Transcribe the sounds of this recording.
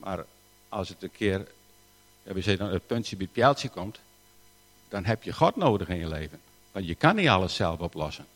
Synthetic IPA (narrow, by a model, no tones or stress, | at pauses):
ma̰r | ɔlˠsətənkʰɪər | jaʋisɛdɔnət̚pøntsjəbit̚pjɛlˠsjəkʰomt | d̥ɔnɦɛpjəxɔtnoːdəxɪnjəleːvən | ʋɔnjəkanita̰lˠəsɛ̰lˠəfɔplɔsən